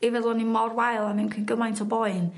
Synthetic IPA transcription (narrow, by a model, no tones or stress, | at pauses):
ɪvɛðlˠɔnimɔrwajlˠamɪnkʰinɡəmajntʰəbɔɨn